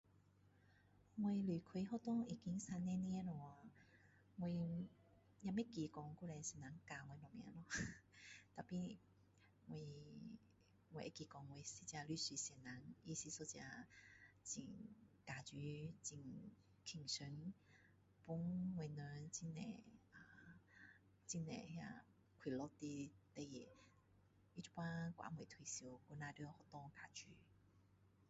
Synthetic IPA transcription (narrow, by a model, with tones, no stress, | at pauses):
ŋwe˧li˨˩kʰwe˧˦ɦɔ˥˧t̪ɔ˥˦ŋi˨˩ki˧˦ŋsa˧nːẽ˧nĩ˧˦e˦˧lɔ˨˧a˨˧ | ŋwe˧ | ja˧me˦ki˧˨kɔ˨˧ŋku˥˧˨lɛ˧sɛ˧˨nla˨˦ŋka˨˧˨ŋwe˧nɔ˨˩mjã̰˧˦lɔ˧˦ | t̪a˨˩pi˧ | ŋwe˧ | ŋwe˨˧˨ʔe˦ki˨˧˩kɔ˨˧˦ŋwe˨˧˨si˧˦t͡ɕja˧ly˦˧˦si˧sɛ˨˩nla˨˦ŋi˧si˧so˧t͡ɕa˧ | t͡ɕi˨˩ŋka˨˩t͡ɕy˧˦t͡ɕi˧˨ŋ | kʰi˨˩ŋsə˧˦n | pu˦ŋwe˧˨nə˧˦t͡ɕi˧˦nɛ̰˨a˧˩ | t͡ɕi˧nɛ̰̃˨hja̰˧ | kʰwi˨lɔ˧˦t̪i˧t̪e˧je˨ | i˧t͡ɕu˧˦pwã˦kʷwa̰˧˦ŋwe˨t̪ʰi˨su˧ku˧nã˧də˧˦hɔ˧t̪ɔ˧ka˨˩t͡ɕy˨˦